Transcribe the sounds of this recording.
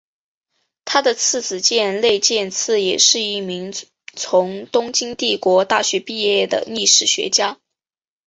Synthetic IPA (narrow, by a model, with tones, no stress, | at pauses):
t̪ʰa˥d̪ə˨t͡sʰɹ̩˥˩t͡sɹ̩˨˩t͡ɕjɛ˥˧nle˥˧ɪt͡ɕjɛ˥˧nt͡sʰɹ̩˥˩jɛ˨˩ʂɻ̩˥˧i˥˩mi˧˥ŋ | t͡sʰʊ˧˥ŋt̪ʊ˥ŋt͡ɕi˥ŋt̪i˥˩kwɔ˧˥t̪a˥˩ɕɥɛ˧˥pi˥˧jɛ˥˩d̪ə̰˩ni˥˧ʂɻ̩˥˩ɕɥɛ̰˧˥t͡ɕja˥